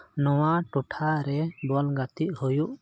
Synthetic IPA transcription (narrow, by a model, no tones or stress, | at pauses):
nɔwaʈɔʈʰaɾɛbalɡat̪iʔ̚hujuʔ